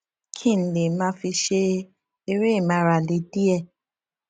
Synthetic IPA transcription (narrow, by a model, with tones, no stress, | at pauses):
kʰi˦˨n̩˨le˨mã˦fi˧ʃe˦ | e˦ɾe˦˨mã˦ɾa˨le˨di˦ɛ˦˨